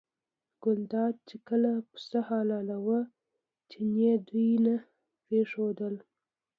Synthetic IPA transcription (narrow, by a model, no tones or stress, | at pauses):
ɡ̥ʊld̪ɑd̪̚t͡ʃekəlapə̥səhɑlɑlawə | t͡ʃened̪ujna | pɾeʂod̪əl